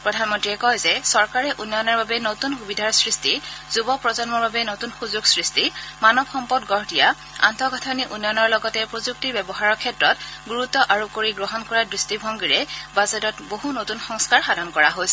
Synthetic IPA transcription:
pɹɔdʱanmɔntɹiɛkɔjzɛsɔɹkaɹɛʔunːɔjnaɹbabɛnotunxubidʱaɹsɹistizubɔpɹɔzɔnmɔɹbabɛnotunxuzuɡsɹistimanɔbxɔmpɔdɡɔɹdija | a̰ntɔɡʱatʰɔniʔunːɔjnɔɹlɔɡɔtɛpɹozuk̚tiɹbɛbɔɦaɹɔkʰɛtɹɔt̚ɡuɹutːɔʔaɹukoɹiɡɹɔɦɔnkɔɹadɹistibʱɔŋɡiɹɛbazɔtɔtboɦunotunxɔŋskaɹxadʱɔnkɔɹaɦojsɛ

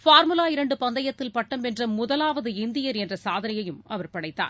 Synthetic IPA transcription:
faːɾmɯlaːɪɾɐɳɖɯpɐnd̪ɐjɐt̪ːɪlpɐʈːɐmɛndrɐmʊðɐlaːʋɐðɯɪnd̪ɪjɐɾɛndrɐsaːðɐnɐjɐjɯmɐʋɐɾpɐɽɐɪt̪ːa̰ːn

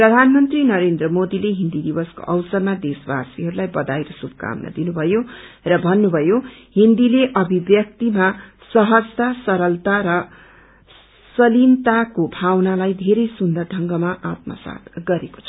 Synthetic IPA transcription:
prʌd̪ʱanmʌnt̪rinʌɾend̪rʌmod̪ileɦind̪id̪ibʌsko̰ʔʌwsʌrmad̪esba̰siɦʌɾulajbʌd̪ajɾʌsubʱʌka̰mnʌ̰d̪inubʱʌjorʌbʱʌnːubʱʌjoɦind̪ileʔʌbʱibjʌk̚t̪ima | sʌɦʌd͡zt̪asʌɾʌlt̪aɾʌ | sʌlimt̪akobʱawnalajd̪ʱeɾʌjsund̪ʌrd̪ʱʌŋɡʌmaʔat̪mʌ̰sa̰t̪ɡʌɾeko̥t͡sʰʌ

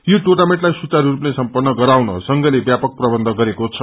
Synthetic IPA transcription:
joʈornamẽʈlajsut͡saɾɾupnesʌmpʌrnːʌɡʌɾawnʌ̰sʌŋɡʌlebjapʌk̚prʌbʌnd̪ʱʌɡʌɾekot͡sʰʌ

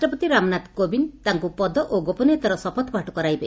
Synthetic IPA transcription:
ʈɔpɔt̪iɾamnat̪kobint̪aŋkupɔd̪ɔʔoɡopɔnet̪aɾɔsɔpɔt̪bʱaʈɔkɔɾajbe

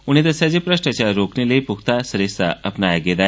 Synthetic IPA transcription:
uɽ̃it̪əsad͡ʑepɾəɕʈat͡ɕaɾoknilepukt̪asəɾesa̰ʔəpnajɡed̪a

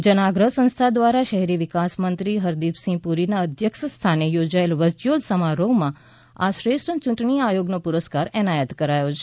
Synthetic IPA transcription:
d͡ʒənaɡɾəɦsə̃ñst̪ʰad̪ʋaɾaʃəɦɛɾiʋɪkasmənt̪ɾiɦəɾd̪ipsĩpuɾinaəd̪ʱjəkʃəst̪ʰanejod͡ʒaelʋət͡ʃjod̪səmaɾoʋmã | aʃɾeʃʈət͡ʃũɳʈɳiajoɡnopuɾəskaɾɛnajət̪kəɾajot͡ʃʰe

